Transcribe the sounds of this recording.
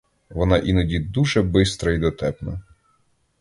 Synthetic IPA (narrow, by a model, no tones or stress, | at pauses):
ʋɔnɑʔinɔdʲid̪uʒɛbɪst̪ɾɐid̪ɔt̪ɛpnɐ̰